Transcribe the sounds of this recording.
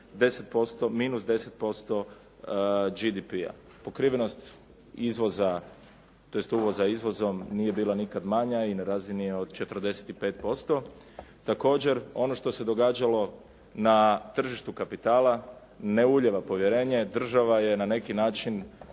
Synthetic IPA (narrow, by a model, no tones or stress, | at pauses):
d̪e̞set̪̚po̞st̪o̞miːnusd̪e̞se̞t̪̚po̞st̪o̞ | d͡ʒid̪ipia̰ | po̞kɾiʋeno̞st̪ | izʋo̞za | t̪o̞jest̪uʋo̞zaizʋo̞zo̞mnije̞biːlˠanikad̪maɲainaɾaːzinio̞d̪t͡ʃe̞t̪r̩d̪e̞set̪ipe̞ːt̪po̞st̪o̞ | t̪ako̞ːd͡ʑe̞ɾo̞no̞ʃt̪ose̞d̪o̞ɡaːd͡ʒalo̞ | nat̪r̩ʒiʃt̪ukapit̪aːlˠa | ne̞uʎeʋapo̞ʋjeɾe̞ːɲe̞d̪r̩ʒaʋaje̞nane̞kinaːt͡ʃin